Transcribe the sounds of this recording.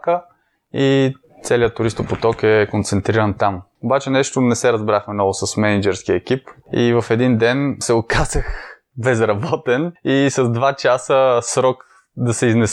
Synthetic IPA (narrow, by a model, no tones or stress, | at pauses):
kə | i | t̪sɛlijət̪ʊɾist̪ʊpot̪ɔkɛkont̪sɛnt̪ɾiɾənt̪am | obat͡ʃɛnɛʃt̪onɛsɛɾɐzbɾaxmɛnɔvʊsɐsmɛnid͡ʒɛɾskiɛk̟ipivɐfɛd̪ind̪ɛnsɛʊkazəx | bɛzɾɐbɔt̪ɛnisɐzd̪vat͡ʃasəsɾɔk | d̪ɐsɛiznɛs